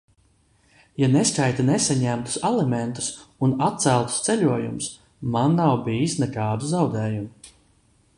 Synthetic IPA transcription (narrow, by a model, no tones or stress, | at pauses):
janeskajt̪anesaɲæmt̪u̥salˠɛment̪u̥sunat̪̚t̪sælˠt̪u̥st̪sɛʎuɔjṵmʊs | manːawbiːjisnɛkaːd̪uzawd̪ɛːjumu